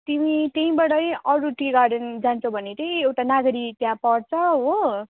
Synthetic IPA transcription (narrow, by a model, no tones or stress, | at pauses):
t̪imit̪eĩbaɽʌjʌɾuʈiɡaɖʌnd͡zant͡sʰʌ̃w̃bʱʌnet̪ʌĩewʈanaɡɾit̪jãpʌɽt͡sʰʌɦo